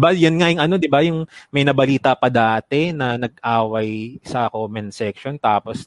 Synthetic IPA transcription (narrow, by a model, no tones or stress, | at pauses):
bajɐnŋajʊŋʔɐno̞d̪ɪbajʊŋmɐjnɐbɐliːt̪ɐpɐd̪aːt̪ɛnɐnɐɡ̚ʔaːwɐjsɐkoːmɛnsɛkʃont̪aːpos